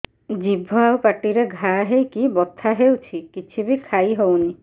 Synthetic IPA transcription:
d͡ʒibʱɔawpaʈiɾeɡʱaɦejkibɔt̪ʰːaɦewt͡ʃʰikit͡ʃʰibikʰajɦowni

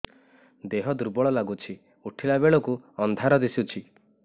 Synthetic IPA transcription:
d̪eɦɔd̪uɾbɔɭɔlaɡut͡ʃʰi | uʈʰilabeɭɔkuɔnd̪ʱaɾɔd̪isut͡ʃʰi

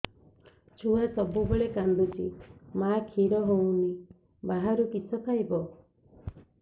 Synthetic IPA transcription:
t͡ʃʰuasɔbubeɭekand̪ut͡ʃʰḭmakʰiɾɔɦow̃ni | baɦaɾukit͡ʃʰɔpʰajbɔ

